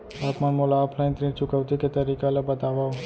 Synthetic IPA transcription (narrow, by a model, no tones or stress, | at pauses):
aːpmanmolaːpʰlaɪ̃nt̪ɾĩt͡ʃʊkəʋt̪iket̪əɾikalebət̪aʋao